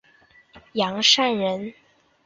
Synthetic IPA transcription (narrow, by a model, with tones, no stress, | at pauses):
jɑ˧˥ŋʂa˥˩nɻə˧˥n